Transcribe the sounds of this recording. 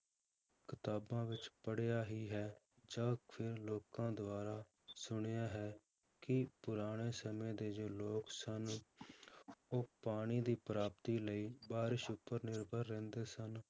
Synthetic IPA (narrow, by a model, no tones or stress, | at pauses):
kɪt̪aːbãːʋɪt͡ʃpəɽejaːɦiːɦɛː | d͡ʒãːpʰɪɾloːkãːd̪ʊaːɾaː | sʊɽ̃ejaːɦɛː | kɪpʊɾaːɽ̃eːsəmẽːd̪eːd͡ʒoːloːksən | oːpaːɽ̃iːd̪iːpɾaːp̚t̪iːləiːbaːɾɪʃʊpːəɾnɪɾbʱəɾːɛ̃ːnd̪eːsən